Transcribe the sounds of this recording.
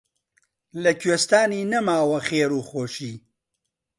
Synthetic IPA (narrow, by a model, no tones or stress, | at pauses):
lɐkʰɥeːst̪aːniːnɐmaːwɐxeːɾuːxoːʃiː